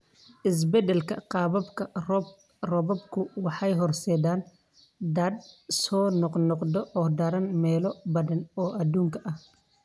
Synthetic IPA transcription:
ʔɪs̬bɛd̪ɛlkʰɐ̰qɑːβɐbkʰɐrɔb | rɔbɔbkʰʊwɑħɑjɦɔrsɛd̪aːn | d̪ɐd̪sɔːnɔqnɔqd̪ɔɔːd̪ɐɾɐnmɛːlɔbɐðɐnɔːʔɐd̪uːŋkʰɐʔɐh

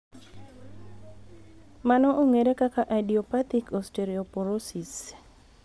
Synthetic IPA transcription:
manɔʔoŋeɾekakaʔadiɔpat̪ikɔsteɾiɔpoɾosis

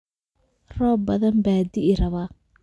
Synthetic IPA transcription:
rɔːbɐðɐnbaːd̪ɪʔɪɾɐβa

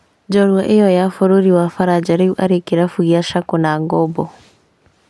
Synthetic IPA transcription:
d͡ʒɔɾwaʔejɔjafoɾoɾiwafaɾad͡ʒaɾeuʔaɾekeɾafuɣiaʃakonaŋɡɔbɔ

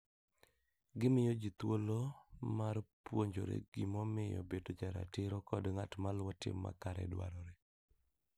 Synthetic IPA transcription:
ɡɪmɪjɔd͡ʒit̪wolomarpwoɲd͡ʒo̰ɾḛɡ̥ɪmɔmɪjɔ̰bedod͡ʒaɾa̰tɪɾɔkɔdŋatmalwɔtɪ̰mːa̰kaɾɛ̰dwa̰ɾɔɾe

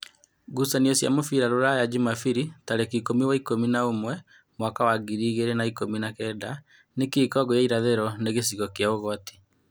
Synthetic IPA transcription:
ɡusaniɔsja̰mofiɾaɾoɾajad͡ʒimafiɾitaɾekikomiwaikominaomwɛ | mwakawaɡiɾiːɣeɾenaikominakɛːda | nekiːkɔɡɔjaiɾaðeɾɔneɣesiɣɔkeaoɣɔti̥

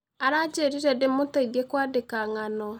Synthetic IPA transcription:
aɾad͡ʒeɾiɾɛdemotaiðiekwaːdekaŋanɔ

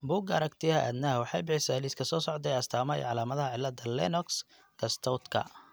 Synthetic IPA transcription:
bʊɡɐ̰ɾɐkt̪ʰɪɐʔæ̰d̪nɐɦɐwɑħɑjbɪħɪsɛliskʰɐsɔːsɔʕd̪ɛjɐst̪ʰaːmɐɛ̰ʕɑlaːmɐðɐɦɐʕɪlːɐd̪ɐlɛnɔks | ɡ̥ɐst̪ʰɔwt̪kʰɐ̰

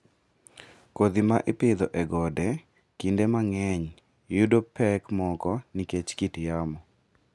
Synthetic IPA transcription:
kod̪imaʔɪpɪd̪ɔʔɛɡɔdɛ | kindemaŋɛɲ | judopʰɛkmɔkɔniket͡ʃkitjamɔ

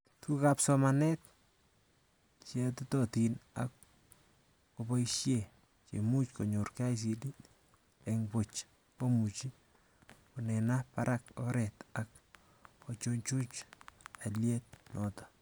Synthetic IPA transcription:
tʰukapsɔmanɛt̚ | t͡ʃɛtutɔtina̰k | kobɔiʃje | t͡ʃḛmut͡ʃkoɲoɾkajs̬idi | eŋbot͡ʃ | komut͡ʃi | kunɛnapaɾʔakɔɾɛtakː | ot͡ʃoɲt͡ʃut͡ʃaljɛt̚nɔtɔ̥

